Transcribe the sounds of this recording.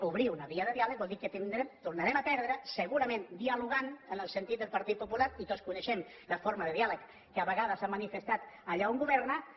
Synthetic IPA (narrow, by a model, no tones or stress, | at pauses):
uβɾiwnəβiəðəðialək̚bɔlˠd̪ikət̪ind̪ɾɛt̪urnəɾɛməpɛɾðɾəsəɣuɾəmẽnd̪iəluɣ̞anənəlˠsənt̪it̪̚d̪əlˠpəɾt̪it̪̚pupulatit̪ot̪skunəʃɛm | ləfoɾməðəðialəkː | əəβəɣaðəsamənifəst̪at̪əʎauŋɡuβɛɾnə